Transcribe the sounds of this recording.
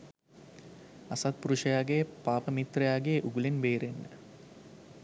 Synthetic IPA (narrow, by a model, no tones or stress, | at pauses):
asat̪̚puɾuʂɐjaːɡejpaːpəmit̪rɐjaːɡeːʔuɡulenbeːɾenːə̰